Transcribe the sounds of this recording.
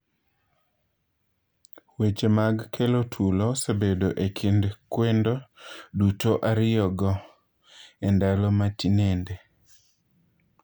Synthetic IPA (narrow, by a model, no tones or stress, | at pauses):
wet͡ʃemaɡkʰelotʰulɔsebedoʔekʰindkwendodutoʔaɾɪjɔɡɔ | ɛndalɔmatinende